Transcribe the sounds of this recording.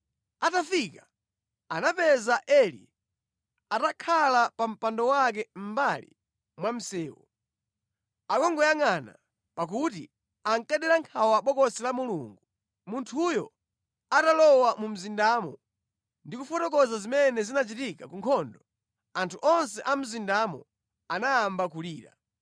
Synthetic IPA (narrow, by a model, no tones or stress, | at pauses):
atafika | anapɛzaʔɛlḭ | atakʰalapam̩pandɔwak̬ɛm̩balḭ | mwam̩sɛːwɔ̰ | akɔŋɡɔjaŋana̰ | pak̬ut̬ḭ | aŋkaɗɛɾaŋkʰawaɓɔkɔsɛlamulṵŋɡu | muntʰujɔ | atalɔwamum̩zindaːmɔ | ndikufɔtɔkɔzazimɛnɛzinat͡ʃitika̰kuŋkʰɔndɔ | antʰuʔɔnsɛʔam̩zindamɔ̰ | anajambakuliːɾa̰